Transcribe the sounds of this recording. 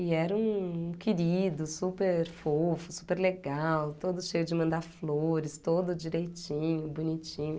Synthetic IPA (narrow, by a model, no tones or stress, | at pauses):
ɪɛɾɐũkɪɾid̪ʊsupeɾfofʊsu̥peɾleɡawt̪od̪ʊʃejʊd͡ʒɪmɐ̃nd̪aɾfloɾɪst̪od̪ʊd͡ʒiɾejt͡ʃĩɲʊbunit͡ʃĩɲʊ